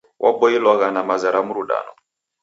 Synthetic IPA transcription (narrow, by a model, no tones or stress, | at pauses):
wʔa̰ɓɔilwaɣanamazaɾamuɾuɗa̰nɔ̰